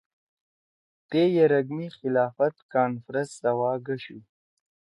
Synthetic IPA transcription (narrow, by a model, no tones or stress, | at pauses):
t̪ejaɾaɡmixɪlɑːfat̪kɑːnfɾəssawɑːɡaʃu